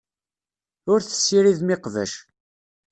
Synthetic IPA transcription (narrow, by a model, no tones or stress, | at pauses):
ʊɾθə̥sːiɾiðmɪqvə̰ʃ